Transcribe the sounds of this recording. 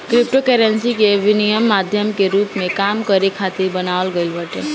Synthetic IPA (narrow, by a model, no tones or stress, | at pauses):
kɾɪp̚ʈokɛɾensikeʋɪnijəmːad̪ʱjəmkeɾuːpmẽkamkəɾekʰat̪iɾbənaʋəlɡəjlʋəʈḛ